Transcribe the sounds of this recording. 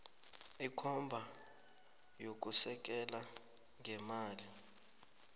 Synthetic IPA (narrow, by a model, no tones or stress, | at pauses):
ikʰɔmbʱa | jok̬ʼusɛk̬ʼɛla | ŋʱɛmaːli